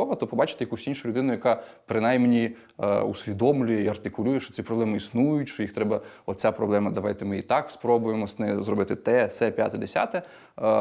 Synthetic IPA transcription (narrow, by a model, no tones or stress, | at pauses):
ɔʋɐt̪ɔpɔbɑt͡ʃɪ̥t̪ɪjɐkusʲinʃʊlʲʊd̪ɪnʊjɐkɑpɾɪnajmnʲi | usʲʋʲid̪ɔmlʲʊjɛiɐrt̪ɪkʊlʲujɛʃt͡ʃɔ̥t͡sʲipɾɔblɛmɪisnujʊtʲʃt͡ʃɔjixt̪ɾɛbɐɔt̪t͡sʲapɾɔblˠɛmɐd̪ɐʋɑjt̪ɪmɪit̪ɑkspɾɔbʊjemɔsnɪzɾɔbɪt̪ɪt̪ɛsɛpʲja̰t̪ɛd̪esʲa̰t̪ɛ